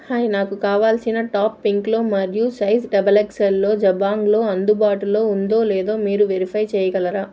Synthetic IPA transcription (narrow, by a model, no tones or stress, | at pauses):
haːjnaːkukaːʋaːlsinɐʈaːpːiŋklo̞ːmɐɾjusɐjsɖɐbɐlekselːo̞ːd͡ʒɐbaːŋɡlo̞ːɐnd̪ubaːʈulo̞ːund̪o̞ːlɛːd̪o̞ːmiːɾuʋeɾipʰɐjt͡ʃɛːjɐɡɐlɐɾaː